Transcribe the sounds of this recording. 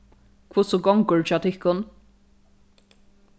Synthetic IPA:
kʰvʊsʊɡɔŋkʊɹt͡ʃat̪ʰɪhkʊn

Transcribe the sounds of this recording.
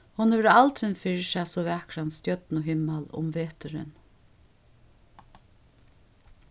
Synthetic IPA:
hʊnhɛʋɛɾalt̪ɪnfɪɹʃasɔʋɛkɾanst̪jœt̪nʊɦɪmːalʊ̰mʋeːt̪ʏɾɪ̰n

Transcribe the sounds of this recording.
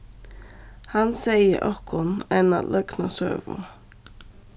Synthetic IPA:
hɑnsæɪə̰ʔɔkʰʊnænɑ̰lʔœɡnɑsø̰ːʋʊ̰

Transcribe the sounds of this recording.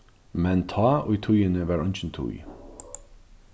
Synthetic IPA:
mɛnt̪ʰɑːoːiːt̪ʰʊjənəʋæːɹɑnçən̩t̪ʰṵj

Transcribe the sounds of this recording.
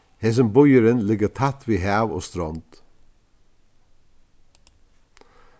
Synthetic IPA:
heːs̬əmbʊjəɾɪnlɪɡət̪ʰat̪ʋiːɦæːʋo̰ːst̪ɾɔnt̪

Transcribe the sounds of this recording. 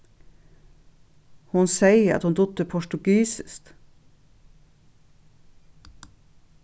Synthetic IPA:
hʊnsæɪəɾɑ̰t̪hʊnd̪ʊt̪əpʰɔʃʈʉɡiːsɪst̪

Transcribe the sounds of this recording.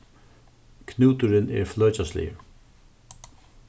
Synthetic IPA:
kʰnuːt̪ʏɾɪnɛ̰ɾflœːt͡ɕaslɪ̰jə̰

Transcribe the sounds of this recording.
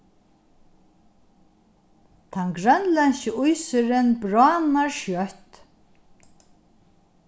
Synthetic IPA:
t̪ʰanɡɾœnlɛnɕɪujsɪɾɪnbɾɑːnaɹʃjœht̪

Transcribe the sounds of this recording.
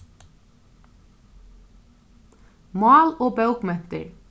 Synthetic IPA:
mɑːloːbɑʉɡmɛnt̪ə̰ɹ

